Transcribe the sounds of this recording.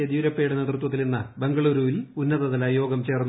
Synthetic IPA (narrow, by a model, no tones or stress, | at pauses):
eðiuɾɐpːeːjuɽene̞ːd̪rut̪wɐt̪̬ːilninːɐbe̞ŋɡɐɭuːɾuːʋilunːɐðɐðɐlajo̞ːɡɐmt͡ɕe̞ːrnː